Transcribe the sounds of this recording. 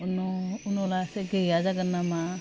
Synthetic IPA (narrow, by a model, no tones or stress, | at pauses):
ʊnoʊnolaːsekejaːd͡ʒakəɾnamã